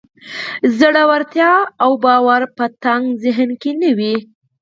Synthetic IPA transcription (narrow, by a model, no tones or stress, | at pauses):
zəɽawaɾt̪jɑawbɑwaɾpət̪aŋɡzɪɦnkenəwi